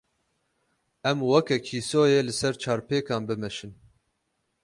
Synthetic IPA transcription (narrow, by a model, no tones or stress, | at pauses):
ɛmwɛkɛkʰiːsoːjeːlɨsɛɾt͡ʃʰaːɾpeːkɑːnbɨmɛʃɨn